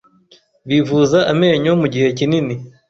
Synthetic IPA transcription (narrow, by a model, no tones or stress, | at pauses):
βivuzaʔame̞ːɲomuɟihe̞cinini